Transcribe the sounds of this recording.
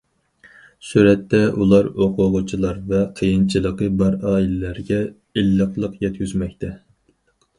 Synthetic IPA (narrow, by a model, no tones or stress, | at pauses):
suɾɛt̪ːɛʔulˠɑɾoqʰʊʁʊt͡ʃʰilˠɑɾvɛqʰəjɨnt͡ʃʰilˠəqəbɑɾɑːilɪlæɾɡʲɛ | elːəqlˠəqjɛt̪̚kʲyzmɛk̚ʲt̪ʰɛ